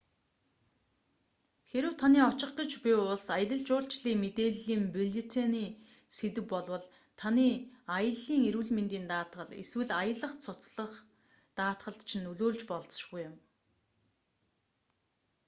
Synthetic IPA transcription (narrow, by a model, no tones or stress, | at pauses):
xeɾɘ̆wt̪ʰaniːɔt͡ɕɪ̆χɡə̆t͡ɕpʲiʊɮsajə̆ɮə̆ɮt͡ɕʊːɬt͡ɕɮiːŋmet̪eːɮiːmpuɮet̪ʰeniː | set̪ɘ̆wpɔɮwə̆ɮ | t̪ʰaniːajə̆ɮːiːŋeɾŭɮment̪iːnt̪aːt̪ɢə̆ɮḛswɘ̆ɮajə̆ɮə̆χt͡sʰʊt͡sɮə̆χ | t̪aːt̪ɢə̆ɬt̪t͡ɕʰĭnːɵɮoːɮt͡ɕpɔɮt͡sə̆ʃɡujɪ̆m